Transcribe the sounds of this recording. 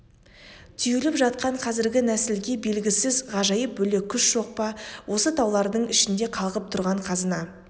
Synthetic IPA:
t̪ʰʏjelɪpʒɑt̪̚qɑɴqʰɑzɪɾɡʲɪnæsɪlɡʲe̞be̞lɡʲɪsɪzʁɑʒɑjəp̚bɵle̞kʲʰːʏsʒ̥o̞q̚pɑwʔo̞sət̪ʰɑwlˠɑɾd̪əɴɪʃɪnd̪e̞qʰɑlˠʁəp̚t̪ʰʊɾʁɑɴqʰɑzənɑ

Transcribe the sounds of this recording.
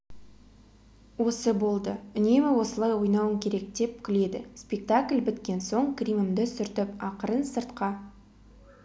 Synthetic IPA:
wo̞səbo̞lˠd̪əʏne̞mɪwo̞səlˠɑjwo̞jnɑwəŋkʲʰe̞ɾe̞k̚d̪e̞p̚kʲʰʏle̞d̪ɪ̰spʲe̞k̚t̪akʲlʲbɪt̪kʲe̞nso̞ɴkrʲimɪmd̪ɪsʏɾt̪ɪpɑqəɾənsəɾt̪qɑ

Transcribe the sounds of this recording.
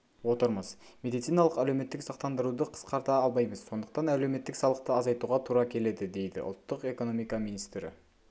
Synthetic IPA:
wo̞t̪əɾməz | mʲe̞d̪it̪sijnɑlˠəqælewme̞t̪ːɪksɑq̚t̪ɑnd̪əɾud̪əqʰə̥sqɑɾt̪ɑɑlˠmɑjməz̥so̞nd̪əq̚t̪ɑnæle̞wme̞t̪ːɪksɑlˠəq̚t̪əɑzɑjt̪uʁɑt̪ʰuɾɑkʲʰe̞le̞d̪ɪd̪e̞jd̪ɪ̰ʔʊ̰lˠt̪ːəqe̞ko̞no̞mijkɑminist̪ɾɪ̰

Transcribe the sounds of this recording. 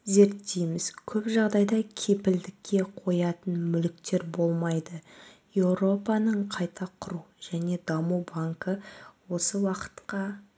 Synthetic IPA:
ze̞ɾt̪ʰːejmɪz̥kʲʰɵpʒɑʁd̪ɑjd̪ɑkʲʰe̞pɪld̪ɪkʲʰːe̞qʰo̞jɑt̪ənmʏlɪk̚t̪e̞ɾbo̞lˠmɑjd̪əje̞wɾo̞pɑnəɴqʰɑjt̪ʰɑqʰʊɾuʒ̥æne̞d̪ɑmuwbaŋkəwo̞səwɑqə̥t̪qɑ

